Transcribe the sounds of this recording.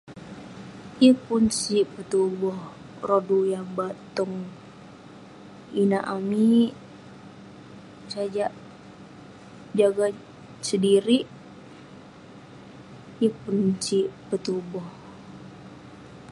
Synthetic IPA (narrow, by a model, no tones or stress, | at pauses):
jəpunsipət̪ubɔh | rodujaŋbat̪ɔŋ | inaʔami | sad͡ʒaʔ | d͡ʒaɡa | sədiɾiʔ | jəpunsipət̪ubɔh